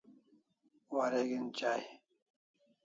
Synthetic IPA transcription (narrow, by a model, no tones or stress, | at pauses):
waɾeɡint͡ɕaːj